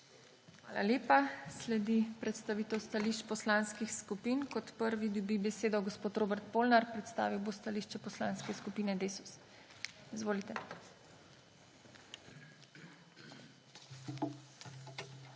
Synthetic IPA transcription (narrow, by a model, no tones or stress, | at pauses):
xʋaːla̰ljeːpaslɛd̪ipɾɛt̪st̪aʋiːt̪ɛwst̪aliʃt͡ʃpɔslaːnskixskupiːnkɔt̪pəɾʋid̪ɔbibɛseːd̪ɔɡɔspoːt̪ɾoːbɛɾt̪̚poːlnaɾpɾɛt̪st̪a̰ːʋiwbost̪aliːʃt͡ʃɛpɔslaːnskɛskupiːnɛd̪eːsu̥s | izʋoːlit̪ɛ